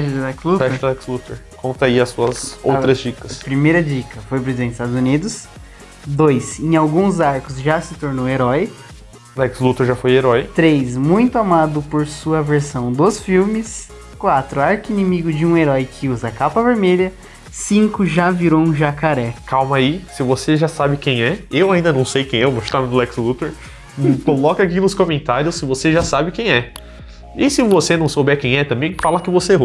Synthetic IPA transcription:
ɛʃd̪ɛkslufɛʃd̪lɛkslut̪eɾkõnt̪ɐiɐsuɐso̰wt̪ɾɐzd͡ʒikɐspɾimejɾɐd͡ʒikɐfojpɾezid̪ẽst̪ad̪ʊzunid̪ʊs | d̪ojsẽj̃awɡũzaɾkʊzʒasɪt̪oɾnoweɾɔj | lɛkslut̪eɾʒafojeɾɔjt̪ɾejsmũj̃t̪ʊamad̪ʊpoɾsuɐveɾsɐ̃w̃d̪osfiwmɪs | kwat̪ɾʊaɾkɪinĩmiɡʊd͡ʒɪũeɾɔjkʰɪuzɐkapɐveɾmeʎɐ | sĩŋkʊʒaviɾoũʒakaɾɛkawmaisɪvoseʒasabɪkẽj̃ɛewaĩd̪ɐnɐ̃w̃sejkẽj̃ɛwvoʃu̥t̪amẽd̪ʊlɛkslut̪eɾ | kolɔkakinʊskõmẽnt̪aɾjʊsːɪvoseʒasabɪkẽj̃ɛ | ɪsɪvosenɐ̃w̃sobɛkẽj̃ɛt̪ɐ̃mbẽj̃falakɪvoseo

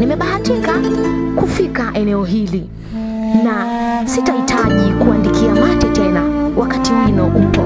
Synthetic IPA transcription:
nimɛɓahatikakufikaʔɛnɛɔɦili | nasitahitʰaʄikuandikiamwatɛtɛnawʔakatiwinɔʔupɔ

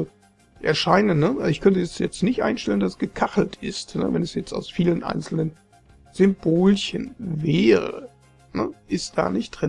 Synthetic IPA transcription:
ʔɛ̰ɐʃaɪnənːəɪçkʰœntəɛsjɛt͡stnɪçtʔa̰ɪnʃtɛləndasɡ̥əkʰaχl̩tɪstnə̰vɛnɛsjɛt͡sta̰ʊsfiːlənʔa̰ɪnt͡sl̩nən | z̥ʏmboːlçənvɛːʁə̰ | nəʔɪst̚d̥a̰ːnɪçt̚d̥ʁɪn

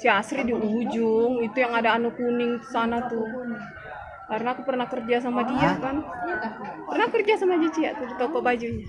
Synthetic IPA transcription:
siasɾidiuɦud͡ʒʊŋit̪ujaŋadaːnukunɪŋti̥sanat̪u | kaɾənaːkupərnakərd͡ʒas̬amadiakan | pərnakərd͡ʒasamad͡ʒat͡ʃia̰ʔt̪udit̪ɔkɔʔbad͡ʒuɲa

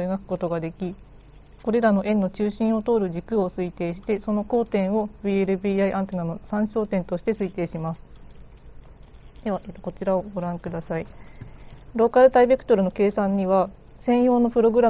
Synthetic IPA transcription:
eɡakɯ̟̥ko̞t̪o̞ɡad̪e̞kʲi | ko̞ɾe̞ɾano̞ʔẽ̞nːo̞t͡ɕɨːɕĩɰ̃o̞t̪o̞ːɾɯ̟ʑikɯ̟o̞sɨit̪e̞ːɕi̥t̪e̞so̞no̞ko̞ːt̪ẽ̞ɰ̃o̞bieɾɯ̟biːaiʔãnt̪enano̞sãɰ̃ɕo̞ːt̪ẽ̞nt̪o̞ɕi̥t̪e̞sɨit̪e̞ːɕimasɨ̥ | d̪̥e̞βaʔe̞ːt̪oko̞t͡ɕiɾao̞ɡo̞ɾãŋkɯ̟d̪asai | ɾo̞ːkaɾɯ̟t̪aibe̞kɯ̥t̪o̞ɾɯ̟no̞ke̞ːsãɲ̟ːiβa | sẽ̞ɰ̃jo̞ːno̞pɯ̟ɾo̞ɡɯ̟ɾa

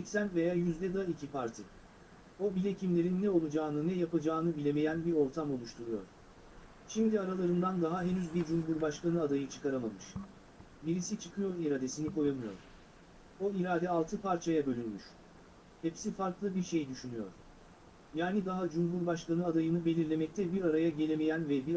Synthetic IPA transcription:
sɛcsænt̪ve̞jaːjyzd̪ɛd̪aicʰipʰaɾt̪ʰi | o̞bilʲecʰimlʲe̞ɾinːɛo̞lˠud͡ʒaːnɯnɛjapad͡ʒaːnɯbilʲeme̞jænbiɾo̞ɾt̪ʰamo̞lˠuʃt̪ʰuɾujo̞̰ɾ̥ | ʃimd̪iaɾalˠaɾɯnd̪and̪aɦaɦenyzbiɾd͡ʒumɦuɾbaʃkanɯad̪ajɯt͡ʃʰɯ̥kʰaɾamamɯʃ | biɾisit͡ʃʰɯkʰɯjo̞ɾiɾad̪e̞siniko̞jamɯjo̞̰ɾ̥ | o̞iɾaːd̪ɛalˠt̪ʰɯpaɾt͡ʃʰajabø̞lʲynmyʃ | hɛpsifaɾklˠɯbiɾʃejd̪yʃynyjo̞̰ɾ̥ | jaːnid̪aɦad͡ʒumɦuɾbaʃkanɯad̪ajɯnɯbe̞lʲiɾlʲe̞mɛc̚t̪ʰɛbiɾaɾajaɟe̞lʲeme̞jænvɛbiɾ

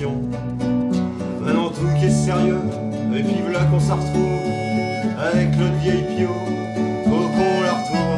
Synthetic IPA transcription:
ɔ̃ | mɛ̃nɑ̃t̪uk̬ʲɛseʁjø | epivəlakɔ̃səʁət̪χuv | avɛknɔvjɛjpjo | okɔ̃laʁət̪χuv

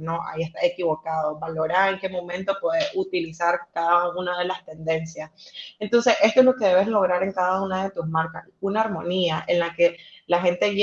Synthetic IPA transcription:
noa̰ie̞st̪asekiβo̞kaðo̞βalo̞ɾaɾe̞ŋke̞mõ̞mẽ̞nt̪o̞pweðesut̪ilisaɾkaðaunað̞e̞last̪e̞nd̪e̞nsjase̞nt̪o̞nse̞sʔe̞st̪oezlo̞ke̞ðe̞βe̞zlo̞ɣ̞ɾaɾe̞ŋkaðaunaðe̞t̪usmaɾkasunaːɾmo̞niaʔenlake̞laxe̞nt̪e̞ʝ

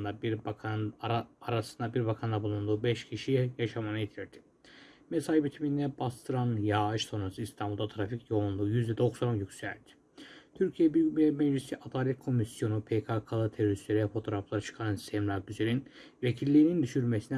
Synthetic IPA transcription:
nd̪a | aɾasɯnd̪abiɾbakʰand̪abulˠund̪uːbɛʃcʰiʃijaʃamanajet̪ʰiɾd̪̥ʰi̥ | mesajbit̪ʰimind̪ɛbast̪ɯɾanjaɯʃso̞nɾasɯist̪ʰambulˠd̪at̪ʰɾaficjo̞unlˠuːjyzd̪ɛd̪o̞ksɾanjycsæ̰lʲt̪ʰi̥ | t̪ʰyɾcʰijɛbimɛd͡ʒlisiʔad̪aːlʲɛt̪̚kʰo̞misjo̞nupʰekʰakʰalˠɯt̪ʰeɾoɾisleɾɛjɛfo̞t̪ʰo̞ɾaflˠaɾɯt͡ʃʰɯ̥kʰanɯnsʰɛmlˠaɾd̪yzeɾin | vecʰilʲːeinind̪yʃyɾmesinɛ

